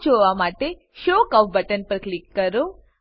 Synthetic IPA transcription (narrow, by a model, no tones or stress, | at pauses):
t͡ʃoʋamaʈe | ʃokaʋbəʈənpəɾklikːəɾo